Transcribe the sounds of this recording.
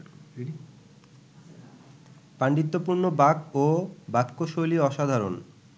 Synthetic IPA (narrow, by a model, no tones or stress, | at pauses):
paɳɖit̪ːopuɾnobakobakːoʃoliɔʃad̪ʱaɾon